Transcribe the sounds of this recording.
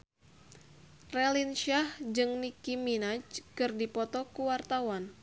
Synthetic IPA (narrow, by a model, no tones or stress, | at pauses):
rɛlinʃahd͡ʒɨŋnikiminat͡ʃkɨrdipɔt̪ɔkuwart̪awan